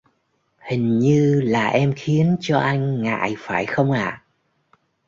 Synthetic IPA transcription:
hï˨˩ŋ̟ɲɨ˧laː˨˩ʔɛ˧mxi˨˦ənt͡ɕɔ˧ʔa˧jŋ̟ŋa̰ː˧˨jfaː˧˩jxə˧wŋ͡mʔaː˨

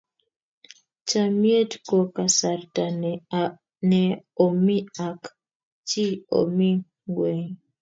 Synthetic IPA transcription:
t͡ʃa˨mje˦tko˨ka˨sa˨rta˨ | nɛ˨o˨mi˦a˨k | t͡ʃi˦o̰˨mi˦ | ɡwɛ˨ŋ

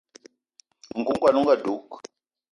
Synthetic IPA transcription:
ŋ̩˨ku˦ŋ˦kwa˦˨nu˦ŋ˦ɡə˦˨du˨˦k̚

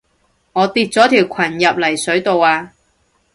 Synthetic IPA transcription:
ŋɔː˨˧t̪iː˨˧t̚t͡sɔː˨˥t̪ʰiː˨˩wkʷʰɐ˨˩njɐ˨p̚lɐ˨˩jsɵ˨˥ɥt̪o˨waː˧

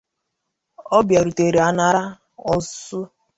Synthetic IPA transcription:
ɔ˦bja˨ɾu˨te˨ɾe˨a˨na˦ɾa˦ | ɔ˦su˦

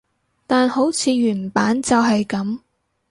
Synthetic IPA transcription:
t̪aː˨nho˨˥wt͡sʰiː˨˧ɥyː˨˩npaː˨˥nt͡sɐ˨wɦɐ˨jkɐ˨˥m

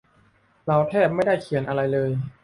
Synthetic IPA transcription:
ɾa˧wt̪ʰɛː˥˩p̚ma˥˩jda˥˩jkʰi˩˦nʔa˧ɾa˧jlɤː˧j

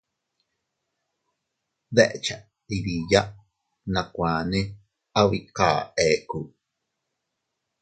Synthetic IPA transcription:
ðe˦ʔt͡ʃa˨ | i˨ɾi˨ja˦ʔ | nã˨kʷãː˨nẽ˦ | a˦wi˧ka̰ː˨ʔe˨ku˨

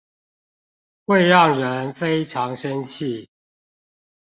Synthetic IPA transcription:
xwe˥˧ɪɻɑ˥˨ŋɻə˨˦nfe˦ɪʈ͡ʂʰɑ˨˦ŋʂə˦nt͡ɕʰi˥˨

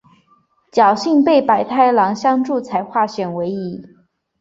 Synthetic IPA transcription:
t͡ɕjɑ˨˩ʊɕi˥˧ŋpe˥˩ɪpa˨˩ɪt̪ʰa˥˩ɪlɑ˧˥ŋɕjɑ˥ŋʈ͡ʂu˥˩t͡sʰa˧˥ɪxwa˥˩ɕɥɛ˨˩nwe˧˥ɪi˧˥

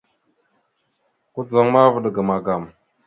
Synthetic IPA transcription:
ku˦d͡za˨ŋma˦və˨ɗɡə˨ma˨ɡa˨m

